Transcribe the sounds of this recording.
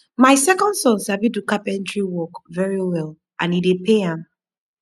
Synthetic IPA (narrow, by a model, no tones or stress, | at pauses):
maɪsɛkɔ̃ndsɔ̃nsabidukapɛ̃ndɹiwɔkvɛɹiwɛlˠ | ʔãnidepʰeãm